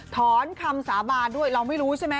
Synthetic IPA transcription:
t̪ʰɔː˦˥nkʰa˧msaː˩˦baː˧ndu˥˩əjɾa˧wma˥˩jɾuː˦˥t͡ɕʰa˥˩jma˦˥

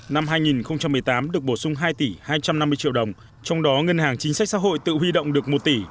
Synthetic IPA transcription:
na˧mɦaː˧jŋi˨˩nxə˧wŋ͡mt͡ɕa˧mːɨ˨˩əjt̪aː˨˦mɗɨ˨˩ək̚ɓo˧˩sʊ˧ŋ͡mɦaː˧jt̪i˧˩haː˧jt͡ɕa˧mna˧mːɨ˧t͡ɕḭ˧əwɗə˨˩wŋ͡m | t͡ɕɔ˧wŋ͡mɗɔ˨˦ŋə˧nhaː˨˩ŋt͡ɕï˨˦sa˦˥k̚sa̰ː˧˥ɦo̰˧˨jt̪ɨ̰˧˨ɦwi˧ɗə̰˧˨wŋ͡mɗɨ˨˩ək̚mo˨˩t̚t̪i˧˩

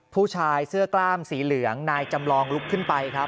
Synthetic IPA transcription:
pʰuː˥˩t͡ɕʰaː˧jsɯ˥˩ɐklaː˥˩msiː˩˦lɯ˩˦əŋnaː˧jt͡ɕa˧mlɔː˧ŋlu˦˥kʰːɯ˥˩npa˧jkʰɾa˦˥p̚

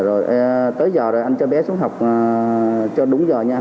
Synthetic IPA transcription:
zo˨˩jʔt̪əː˨˦jzɔː˨˩zo˨˩jʔa˧jnt͡ɕɔ˧ɓɛ˨˦su˨˦ŋɦa˨˩wk͡p̚ːt͡ɕɔ˧ɗʊ˨˦ŋ͡mzəː˨˩ɲaː˧

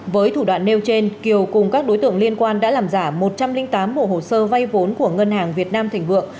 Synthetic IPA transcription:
vəː˨˦jt̪ʰu˧˩ɗwa̰ː˧˨nːe˧wt͡ɕe˧nki˨˩əwkʊ˨˩ŋ͡mkaː˦˥k̚ɗo˨˦jt̪ɨ̰˧˨əŋli˧ənkwaː˧nɗa̰ː˧˥laː˨˩mzaː˧˩mo˨˩t̚t͡ɕa˧mlï˧˨ŋ̟t̪aː˨˦mɓo̰˧˨ho˨˩səː˧va˧jvo˨˦nku˧˩əŋə˧nhaː˨˩ŋvi˨˩ət̚naː˧mt̪ʰɛ˨˩ŋ̟lɨ̰˧˨ə

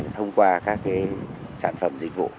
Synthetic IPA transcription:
t̪ʰə˧wŋ͡mkwaː˧kaː˦˥k̚kaː˨˦jsa̰ː˧˩nfə˧˩mzï˨˩k̟̚vṵ˧˨

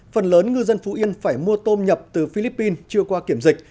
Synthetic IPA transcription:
fə˨˩nləː˨˦nŋɨ˧zə˧nfu˨˦ʔi˧ənfaː˧˩jmu˧ət̪o˧nɲə˨˩p̚t̪ɨ˨˩fi˧li˦˥pːi˧nt͡ɕɨ˧əkwaː˧ki˧˩əmzï˨˩k̟̚

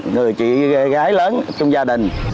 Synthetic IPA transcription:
ŋɨ˨˩əjt͡ɕḭ˧˨˧ɣaː˨˦jləː˨˦nt͡ɕʊ˧ŋ͡mzaː˧ɗï˨˩ŋ̟

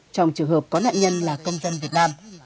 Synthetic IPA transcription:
t͡ɕɔ˧wŋ͡mt͡ɕɨ˨˩əŋhəː˨˩p̚kɔ˨˦na̰ː˧˨ʔɲə˧nlaː˨˩kə˧wŋ͡mzə˧nvi˨˩ət̚naː˧m

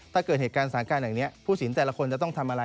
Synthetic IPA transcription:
tʰaː˥˩kɤː˨˩heː˨˩t̪kaː˧nsaː˩˦ŋkaː˧nha˨˩ŋni˦˥ɐpʰuː˥˩si˩˦nt̪ɛː˨˩la˧kʰo˧nt͡ɕa˨˩t̪ɔ˥˩ŋt̪ʰa˧mʔa˧ɾa˧

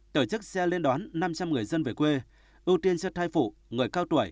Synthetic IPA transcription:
t̪o˧˩t͡ɕɨ˦˥k̚sɛ˧le˧nɗwaː˨˦nːa˧mt͡ɕa˧mŋɨ˨˩əjzə˧nve˨˩kwe˧ | ʔɨ˧wt̪i˧ənt͡ɕə˧˥t̪ʰaː˧jfṵ˧˨ŋɨ˨˩əjkaː˧wt̪wə˧˩j

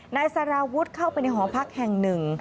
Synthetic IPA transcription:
naː˧jsaː˧ɾaː˧wu˦˥t̪̚kʰa˥˩wpa˧jna˧jɦɔː˩˦pʰa˦˥k̚hɛ˨˩ŋnɯ˨˩ŋ

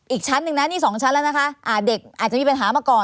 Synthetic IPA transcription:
ʔiː˨˩k̚t͡ɕʰa˦˥nːɯ˨˩ŋna˦˥niː˥˩sɔː˩˦ŋt͡ɕʰa˦˥nlɛː˦˥wna˦˥kʰa˦˥ʔaː˧˩de˨˩k̚ʔaː˨˩t̪̚t͡ɕa˨˩miː˧pa˧nɦaː˩˦maː˧˩kɔː˨˩

